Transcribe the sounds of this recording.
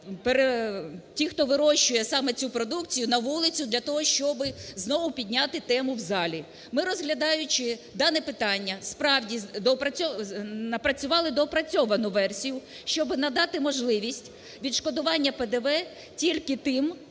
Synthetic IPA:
peɾetʲixt̪ɔʋɪɾɔʃt͡ʃʊjɛsɑmɛt͡sʲupɾɔd̪ukt͡sʲijʊnɐʋulˠɪt͡sʲʊd̪lʲɐt̪ɔɦɔʃt͡ʃɔbɪznɔʋʊpʲidʲnʲɑt̪ɪt̪ɛmʊwzɑlʲi | mɪɾɔzɦlʲɐd̪ɑjʊt͡ʃɪd̪ɑnɛpɪt̪ɑnʲːɐspɾɑwdʲid̪ɔpɾɐɔnɐpɾɐt͡sʲʊʋɑlˠɪd̪ɔpɾɐt͡sʲɔʋɐnʊʋɛrsʲijʊ | ʃt͡ʃɔbɪnɐd̪ɑt̪ɪmɔʒlˠɪʋʲisʲtʲ | ʋʲid̪ʃkɔd̪ʊʋɑnʲːɐped̪ɛʋɛ | tʲilʲkɪt̪ɪm

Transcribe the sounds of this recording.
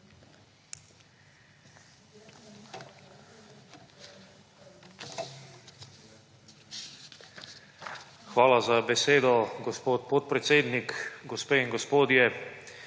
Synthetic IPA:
xʋaːlazabɛseːd̪ɔɡospoːt̪̚pot̪pɾɛt̪seːd̪nikɡospeːiŋɡospoːd̪jɛ

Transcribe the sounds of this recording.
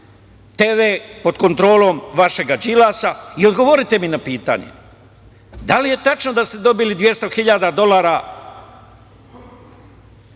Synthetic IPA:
t̪eːʋe̞ːpo̞d̪ko̞nt̪ɾo̞ːlo̞ːmʋaʃe̞ɡad͡ʒilaːsaio̞d̪ɡo̞ʋoɾit̪e̞minapiːt̪a̰ːɲḛ | d̪alije̞t̪at͡ʃnod̪ast̪e̞d̪o̞bilid̪ʋje̞st̪o̞xiʎaːd̪ad̪o̞laːɾa

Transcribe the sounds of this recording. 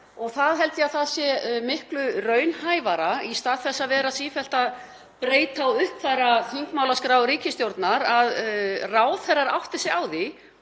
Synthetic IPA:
ɔɣθaðɦɛlt̪ɪaðθaðsjɛmɪhklʏrœːɥnhaːjvaɾaist̪aːðθɛsːaðvɛːɾasiːfɛl̥t̪að | pɾeːjt̪awʏhpθajrːaθiŋkmawlaskɾaːwɾiːcɪst̪jowɾt̪naɾaðraːwθɛrːaɾawft̪ɪ̥sɪaːwðɪ

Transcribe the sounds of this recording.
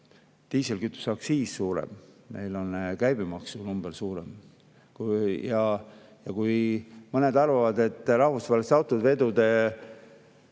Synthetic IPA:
t̪iːselkyt̪ːˑu̥sɑksiːssuːɾḛmme̞̰jlo̞nkæjbimɑksunumb̥elsuːɾem | kjɑ | jɑkujmɤne̞d̪ɑrvɑvɑd̪e̞t̪ːˑɾɑhvusvɑːlest̪ɑwt̪ːˑud̪ve̞d̪ud̪̥e

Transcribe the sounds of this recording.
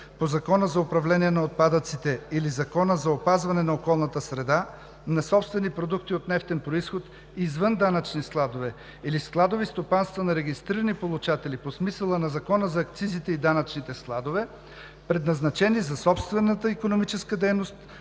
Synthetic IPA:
pozɐkɔnəzɐopɾɐvlɛniɛnɐot̪̚pad̪ət̪sit̪ɛilizɐkɔnəzɐopazvɐnɛnɐokɔlˠnɐt̪əsɾɛd̪a | nɐsɔpst̪vɛnipɾod̪ukt̪iot̪nɛft̪ɛnpɾoisxot̪ | izvənd̪anət͡ʃnisklˠad̪ovɛ | ilisklˠad̪ovist̪opanst̪vɐnɐɾɛɡist̪ɾiɾɐnipolˠut͡ʃat̪ɛliposmisəlˠənɐzɐkɔnəzɐːk̚t̪sizit̪ɛid̪anɐt͡ʃnit̪ɛsklˠad̪ovɛ | pɾɛd̪nɐznɐt͡ʃɛnizɐsɔpst̪vɛnːət̪əikonomit͡ʃɛskəd̪ɛjnost̪

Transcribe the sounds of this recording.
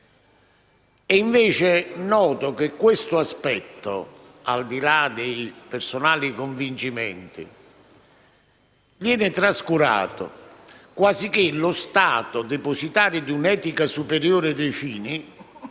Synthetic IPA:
ɛiɱveːt͡ʃɪnɔːt̪ʊkɪkːwɪst̪ʊaspɛt̪ːo̰ | a̰ld̪ilad̪ejpeɾsonaːlikoɱvint͡ʃimɛ̰nt̪ḭ | vjɛːnɪt̪ɾaskuɾa̰ːt̪ʊ̰kwasik̟ɪlʊst̪aːt̪ʊd̪eposit̪aːɾɪd̪unɛːt̪ikasupeɾjoːɾɪd̪ejfiːni

